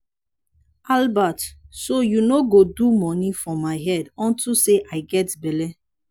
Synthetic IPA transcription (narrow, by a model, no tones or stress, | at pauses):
albatsojunoɡodumɔnifɔmaɪɦɛdɔ̃ntuseʔaɪɡɛtbɛlɛ